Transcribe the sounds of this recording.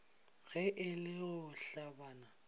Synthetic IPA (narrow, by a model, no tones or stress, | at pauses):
ɣɛʔɪlɪʊɬabaːna